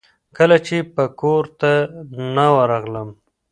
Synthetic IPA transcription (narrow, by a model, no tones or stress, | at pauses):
kəlat͡ʃepəkoɾt̪anawaɾaɣləm